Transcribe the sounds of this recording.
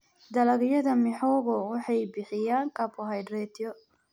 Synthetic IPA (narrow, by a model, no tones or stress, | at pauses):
d̪ɐlɐɣjɐðɐmɪħɔːɣɔwɑħɑjbɪħɪjaːŋkʰɐpʰɔɦɐjd̪ɾɛːt̪ʰɪjɔ